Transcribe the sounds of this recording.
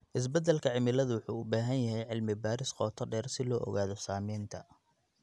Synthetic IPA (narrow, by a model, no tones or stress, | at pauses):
ʔɪs̬bɐd̪ɛlkʰɐʕɪmɪlɐðʊwʊħuːʊbaːɦɐnjɐɦɛjʕɪlmɪbaːɾɪsqɔːt̪ʰɔɖɛːrsɪlɔːʔɔ̰ɣaːðɔsaːmɛːnt̪ʰɐ